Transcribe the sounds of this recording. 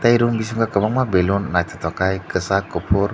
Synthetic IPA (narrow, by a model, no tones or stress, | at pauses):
t̪ajɾumbis̬uŋɡakəmaŋmabelunːajt̪ə̥t̪ɔkajkəsakupʰʊr